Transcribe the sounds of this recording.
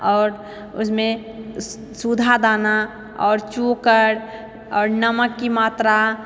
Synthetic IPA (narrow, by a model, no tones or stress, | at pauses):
ɔːɾ | ʊ̰smẽ | sud̪ʱad̪aːna | ɔːɾt͡ʃukəɾ | ɔːɾnəməkːimaːt̪ɾa